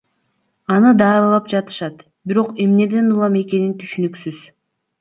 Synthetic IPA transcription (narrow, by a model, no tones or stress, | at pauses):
ɑnɯd̪ɑːɾlˠɑpd͡ʒɑt̪ɯ̥ʃɑt̪ | biɾo̞qe̞mne̞d̪e̞nulˠɑme̞ke̞nint̪ʰyʃynyksyz̥